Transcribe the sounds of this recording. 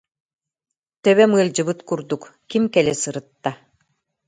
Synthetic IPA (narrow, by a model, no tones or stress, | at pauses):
t̪œβɛmɯlʲˠd͡ʑɯbɯt̪kuɾd̪ukkimkɛlɛsɯɾɯt̪ːa